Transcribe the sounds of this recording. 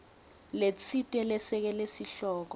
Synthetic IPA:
let͡sʰitʼɛlɛsɛk̬ɛlesiɬɔːk̬ɔ

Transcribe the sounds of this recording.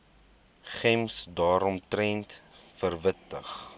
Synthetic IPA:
χɛmsdɑːɾɔmtrɛntfərvətəχ

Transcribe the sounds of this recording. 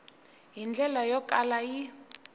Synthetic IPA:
ɦind͡ɮɛlajɔkʼalaji

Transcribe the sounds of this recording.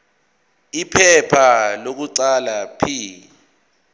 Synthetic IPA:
ipʰɛpʰalok̬uǀalapʰi

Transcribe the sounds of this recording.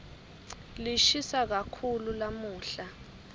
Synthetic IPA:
liʃisak̬akʰululamuːɬa

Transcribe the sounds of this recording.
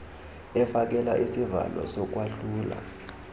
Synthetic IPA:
ɛfak̬ɛlaʔisiva̰lɔ̰sɔk̬ʼwaɬuːla̰

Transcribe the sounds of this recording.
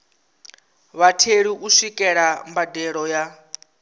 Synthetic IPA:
βatʰeɺiʔuʂikʼɛɺambadɛɺɔja

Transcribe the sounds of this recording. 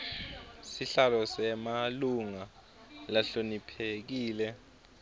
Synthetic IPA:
siɬalɔsɛmaluŋa | laɬonipʰek̬iːlɛ

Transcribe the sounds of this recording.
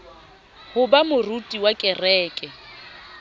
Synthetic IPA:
hʊbamʊrutʼiwakʼɛrɛːkʼɛ

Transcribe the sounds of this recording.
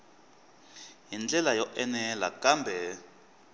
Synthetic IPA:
ɦind͡ɮɛlajɔʔɛnɛla̰kambʱɛ

